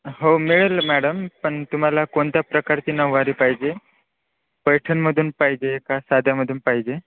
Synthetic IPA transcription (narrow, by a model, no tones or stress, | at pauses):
ɦomiɭelmæɽəmpəɳt̪um̤alakoɳt̪japɾəkaɾt͡ɕiːnəʋːaɾiːpaɦid͡ʑe | pəjʈʰənməd̪ʱuːnpaɦid͡ʑekasad̪ʱjaməd̪ʱuːnpaɦid͡ʑe